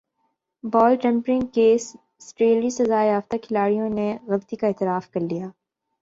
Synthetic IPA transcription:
bɔːlʈɛ̃mpɾɪ̃ŋɡkes | sʈɾeːlisɐzaːeaft̪akʰɪlaːɽijõneɣɐlt̪ikaɛːt̪ɪɾaːfkɐɾlijaː

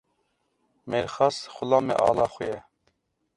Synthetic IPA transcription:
meɾxɑsxʊlɑːmɛ̰ʔɑ̰ːlɑːxʊjɛ

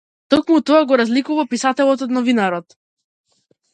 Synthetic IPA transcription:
t̪ɔkmut̪ɔaɡɔɾazlikuvapisat̪ɛlˠɔt̪ɔd̪nɔvinaɾɔt̪

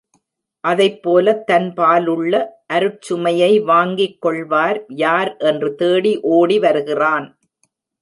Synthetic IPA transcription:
ʔɐðɐɪpːoːlɐt̪ːɐnpaːlɯɭːɐʔɐɾɯt͡ʃːɯmɐjɐɪʋaːŋɡɪkːɔɭʋaːɾjaːɾʔɛndrɯt̪eːɽiʔoːɽiʋɐɾɯɣɪraːn

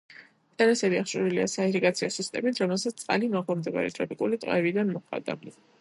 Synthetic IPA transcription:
t̪ʼaɾasɛbiaχʃʼuɾiliasaiɾiɡʼat̪sʰiɔsist̪ʼɛmit̪ʰɾɔmɛlˠsat̪st̪sʼqʼa̰limaʁlˠɔmd̪ɛba̰ɾḭt̪ʰʼɾɔpʼikʼulit̪ʼqʼɛvid̪anmɔχʼa̰d̪a̰

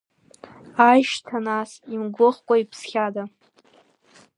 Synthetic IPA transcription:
ajʃtʰanasimɡʷʊχkʷʼaipʰsχʲada

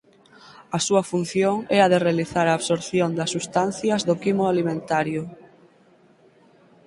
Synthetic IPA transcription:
ɐsuɐfun̟θjoŋɛɐðerealiθaɾaːβsoɾθjond̪ɐsːust̪an̟θjɐzðokimoalimẽnt̪aɾjʊ

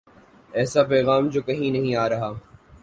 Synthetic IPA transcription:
ɛːsapɛːɣaːmd͡ʒoːkɐɦĩnɐɦĩaːɾɐɦaː

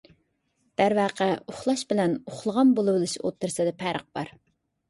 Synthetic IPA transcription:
d̪̥æɾvæːqʰəoχlˠɑʃbɪlɛnoχlˠəʁɑnbolˠɨbɨlˠɨʃo̰t̪ːɨɾsɨd̪ɛpʰæɾʔə̰q̚b̥ɑɾ

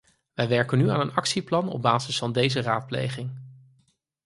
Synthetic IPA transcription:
ʋɛjʋɛɹkənyaːnənɑksiplɑnɔ̰b̚baːzəsfɑndejzəraːt̚plḛjχɪŋ

